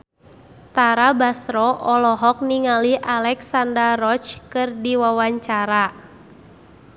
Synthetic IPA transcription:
t̪aɾabasɾɔʔɔlɔɦɔk̚niŋaliʔalɛksandarɔt͡ʃkɨrdiwawaɲt͡ʃaɾa

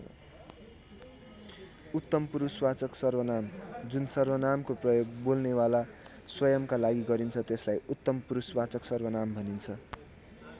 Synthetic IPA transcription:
ut̪ːʌmpuɾuswat͡sʌksʌrbʌnamd͡zunsʌrbʌnamkoprʌjoɡbolnewala | swʌjʌmkalaɡiɡʌɾint͡sʰʌt̪eslajut̪ːʌmpuɾuswat͡sʌksʌrbʌnambʱʌnint͡sʰʌ

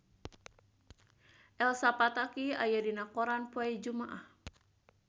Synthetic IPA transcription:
ʔɛlsapat̪akia̰jadinakɔɾanpuaid͡ʒumaʔah

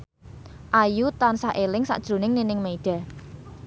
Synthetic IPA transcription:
ʔajut̪ansaʔelɪŋsa̰ʔd̥ʒ̥ɾo̤nɪŋninɪŋmeiɖ̥a̤

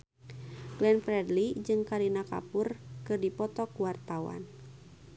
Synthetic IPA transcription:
ɡlɛnpɾɛdlid͡ʒɨŋkaɾinaka̰purkɨrdipɔt̪ɔkuwart̪awa̰n

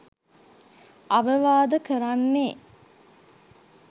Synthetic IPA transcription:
aʋəʋaːd̪əkəɾamːe

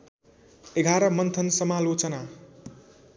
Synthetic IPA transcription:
eɡʱaɾʌmʌnt̪ʰʌnsʌmalot͡sʌna

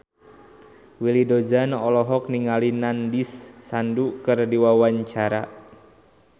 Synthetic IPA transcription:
wilidod͡ʒanɔlɔɦɔk̚niŋalinandisːandukɨrdiwawaɲt͡ʃaɾa̰

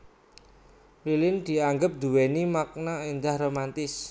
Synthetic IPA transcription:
lilɪnd̪̥i̤aŋɡəp̚d̪̥uwenimak̚naind̪ahɾomant̪ɪs

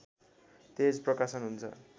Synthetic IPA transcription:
t̪ed͡zprʌkasʌnɦunt͡sʰʌ̰

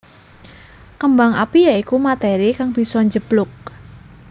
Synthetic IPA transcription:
kəmbaŋa̰pijaikumat̪eɾikaŋb̥i̤sɔɲd͡ʒəb̥lʊk̚

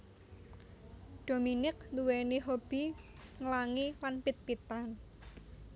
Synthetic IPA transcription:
dɖ̥o̤minɪk̚luweniɦob̥i̤ŋəlaŋilanpɪt̪̚pit̪an

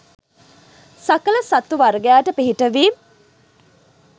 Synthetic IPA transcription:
sakələsat̪ːuʋaɾɡejaːʈəpiɦiʈəʋiːm

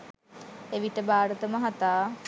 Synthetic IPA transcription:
eʋiʈəbaːɾət̪əməɦat̪aː

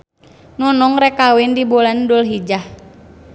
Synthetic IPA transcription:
nɔnɔŋɾɛkawindibɔlandɔlɦid͡ʒah

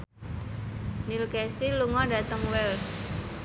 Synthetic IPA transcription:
nilkɛsiluŋɔɖä̤t̪əŋwɛls

